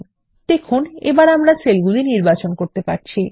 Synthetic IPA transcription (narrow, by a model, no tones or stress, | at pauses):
t̪ekʰonḛbaɾamɾaselɡuliniɾbat͡ɕonkoɾt̪epaɾt͡ɕʰi